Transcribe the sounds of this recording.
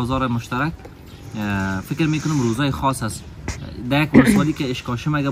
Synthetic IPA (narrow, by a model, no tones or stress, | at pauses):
zɔɾɪmʊʃt̪aɾak̚ | fɪkɾmekʊnʊmɾozɒːjɪxɔsas | d̪ajakwʊswɔlikɪɪʃkɔʃɪmaɡa